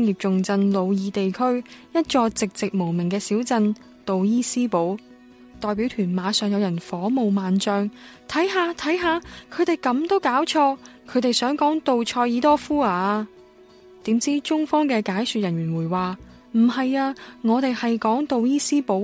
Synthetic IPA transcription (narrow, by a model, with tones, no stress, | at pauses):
ŋjiː˨p̚t͡sʊ˨ŋt͡sɐ˧nlo˨˧wjiː˨˧t̪e˨jkʰɵ˥jɐ˥t̚t͡ʃɔː˧t͡sɪ˨k̚t͡sɪ˨k̚mo˨˩wmɪ˨˩ŋkɛː˧siː˨˥wt͡sɐ˧n | t̪o˨wjiː˥siː˥po˨˥w | t̪ɔː˨jpiː˨˥wt̪ʰyː˨˩nmaː˨˧sœː˨ŋjɐ˨˧wjɐ˨˩nfɔː˨˥mo˨wmaː˨nt͡sœː˧ŋt̪ʰɐ˨˥jɦaː˨˧t̪ʰɐ˨˥jɦaː˧kʰɵ˨˧ɥt̪e˨jkɐ˨˧mt̪o˥wkaː˨˥wt͡ʃʰɔː˧kʰɵ˨˧t̪e˨jsœː˨˥ŋkɔː˨˥ŋt̪o˨wt͡ʃʰɔː˧jjiː˨˥t̪ɔː˥fuː˥aː˧ | t̪iː˨˥mt͡siː˥t͡ʃʊ˥ŋfɔː˥ŋkɛː˧kaː˨˥jsyː˨t̚jɐ˨˩nɥyː˨˩wuː˨˩jwaː˨ | m̩˨˩hɐ˨jaː˧ŋɔː˨˧t̪e˨jhɐ˨jkɔː˨˥ŋt̪o˨˧wjiː˥siː˥po˨˥w